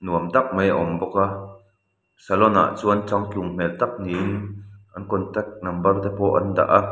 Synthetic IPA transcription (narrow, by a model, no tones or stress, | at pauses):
nuəmt̪ɐk̚mejʔɔmbɔka | salɔna̰ʔt͡suːɐnt͡saŋkjuŋm̥ɛlt̪ɐk̚ninʔɐnkɔnt̪ɛk̚nɐmbɐrt̪ɛpɔʔɐ̰nd̪a̰ʔa